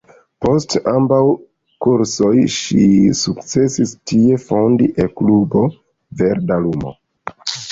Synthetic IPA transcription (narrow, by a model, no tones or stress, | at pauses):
po̞stambaw | kuɾso̞jʃisukt͡se̞sistie̞fo̞ndiʔeklubo̞ | ve̞ɾdalumo̰